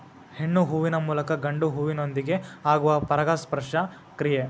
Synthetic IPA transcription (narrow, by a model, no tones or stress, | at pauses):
heɳːuɦuʋinɐmuːlɐkɐɡɐɳɖuɦuʋinond̪iɡe̞aːɡuʋɐpɐɾɐɡaːspɐɾʂɐ | kɾije